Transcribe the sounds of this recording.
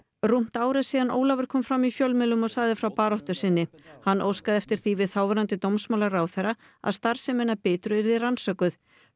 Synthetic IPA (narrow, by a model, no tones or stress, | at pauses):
rum̥t̪aːwɾɛsiːðanʔo̰ːwlavʏɾ̥kʰɔːmfɾamifjœlmɪlʏmɔsaːjðɪfɾawpaːɾɔht̪ʏsɪnːɪhanːʔo̰ːwskaðɛft̪ɪɾ̥θivɪðθaːwvɾant̪ɪt̪owmsmawlaɾaːwθɛɾa | a̰ðst̪aɾ̥sɛmɛnapɪːt̪ɾʏɛɾðɪransœkʏθ